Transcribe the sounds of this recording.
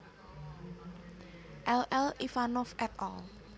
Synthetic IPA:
ʔɛlɛlʔifanɔfʔɛt̪ɔl

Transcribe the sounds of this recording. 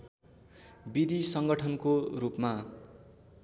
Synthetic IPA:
bid̪ʱisʌŋɡʌʈʰʌnkorupma

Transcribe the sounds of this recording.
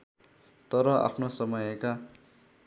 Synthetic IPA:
t̪ʌɾʌʔa̰pʰnosʌmʌjeka

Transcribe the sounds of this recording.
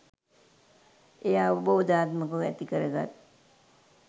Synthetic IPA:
ejaʋubəʋud̪aːt̪məkəɛ̰t̪ikəɾəɡa̰t̪̚

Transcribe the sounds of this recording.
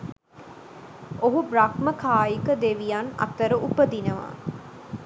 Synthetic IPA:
oɦubɾakməkʰaːjikəd̪eʋijanɐ̰t̪əɾəʔupəd̪inəʋa̰

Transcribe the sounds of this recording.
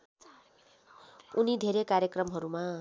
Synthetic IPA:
unid̪ʱeɾekaɾjʌkrʌmɦʌɾuma

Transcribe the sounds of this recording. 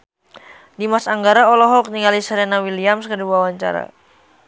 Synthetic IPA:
dimasaŋɡaɾaɔlɔɦɔk̚niŋalisəɾɛnawiliamskəduawaɲt͡ʃa̰ɾa̰

